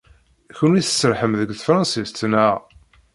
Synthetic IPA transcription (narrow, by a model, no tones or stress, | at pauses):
çʊnwiθə̥sːəɾħəmðəɡθəfɾˤɑ̃nsist̪ːnaʁ